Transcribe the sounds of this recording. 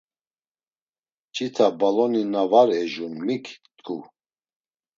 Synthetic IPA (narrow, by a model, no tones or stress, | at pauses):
t͡ʃʰʼit̪ʰabalɔninavaɾɛʒunmikʰt̪ʼkʰʼu